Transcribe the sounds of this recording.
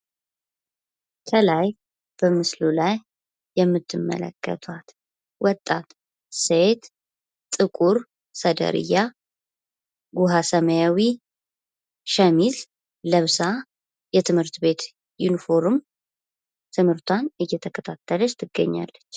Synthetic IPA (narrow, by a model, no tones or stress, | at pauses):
kʰəlaj | b̥əmɨslulajː | ɛmːɨt̪ʰːɨmːə̰lə̰kːə̰t̪ʰat̪ | wɔt̪ʼːat̪ | set̪ | t̪ʼːɨkʼuɾ | səd̪ə̰ɾɨ̰ja | ɡuɦasəməjawi | ʃəmiz | ləβsa | jɛt̪ʰɨmhɨɾt̪be̞t̪ | junifo̞ɾm | t̪ʰɨmhɨɾt̪ʰwanɨjːɛt̪ʰəkʰət̪ʰat̪ʰːələt͡ʃt̪ʰɨɡːə̰ɲːa̰lːət͡ʃː